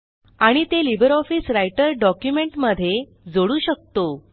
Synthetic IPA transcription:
aɽ̃it̪elibəɾɔfisɾajʈəɾɖɔkjumeɳʈməd̪ʱːje | d͡zoɽuːɕək̚t̪o

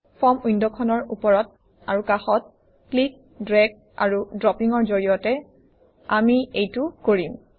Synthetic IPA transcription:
fʰɔmujndɔkʰɔnɔɹupɔɹɔt | aɹukaxɔt̚ | klik̚ | dɹɛɡ̚ | a̰ɹudɹɔpiŋɔɹzoɹijɔtɛ | amiejtukoɹim

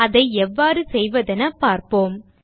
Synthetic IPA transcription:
ɐðɐɪɛʋːaːɾɯsɛjʋɐðɛnɐpaːɾpoːm

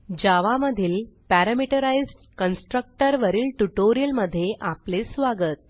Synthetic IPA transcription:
d͡ʑaʋaməd̪ʱiːlpæɾəmiʈəɾaid͡zʈkənsʈɾək̚ʈəɾʋəɾiːlʈuʈoɾijəlməd̪ʱːjeʔaplesʋaɡət̪̚

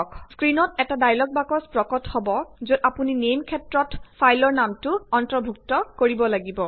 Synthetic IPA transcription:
ɔkʰskɹinɔtɛtadajlɔk̚bakɔspɹɔkɔthɔbɔzudapuninejmkʰɛtɹɔtpʰajlɔɹnamtʊɔntɹɔbʱuk̚tɔkoɹibɔlaɡibɔ

